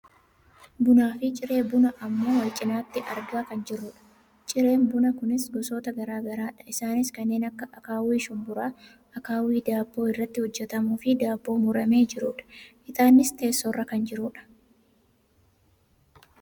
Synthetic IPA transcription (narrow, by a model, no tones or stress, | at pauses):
bʊnaːfɪt͡ʃʼɪɾe̞ːbʊnɐʔɐmːo̞ːwɐt͡ʃʼːɪnaːt̪ːɪʔɐɾɡaːkɐnd͡ʒɪrːʊᶑɐ̥ | t͡ʃʼɪɾe̞ːnbʊnɐkʊnɪsɡɔso̞ːt̪ɐɡɐɾaːɡɐɾaːᶑɐ̥ɪsaːnɪskɐnːe̞ːnɐkːɐʔɐkaːwiːʃʊmbʊɾaː | ɐkaːwiːd̪aːbːo̞ːɪrːɐt̪ːɪhɔd͡ʒːɛt̪ɐmuːfɪd̪aːbːo̞ːmʊɾɐme̞ːd͡ʒɪɾʊᶑɐ̥ | ɪt̪ʼaːnːɪst̪e̞ːsːɔrːɐkɐnd͡ʒɪɾʊᶑɐ̥